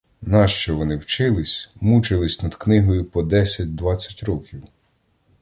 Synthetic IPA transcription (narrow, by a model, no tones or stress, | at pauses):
nɑʃt͡ʃɔʋɔnɪwt͡ʃɪlˠɪsʲmut͡ʃɪlˠɪsʲnɐd̪̥knɪɦɔjʊpɔd̪ɛsʲɐt̚ʲd̪ʋɑt͡sʲːɐ̥tʲɾɔkʲiw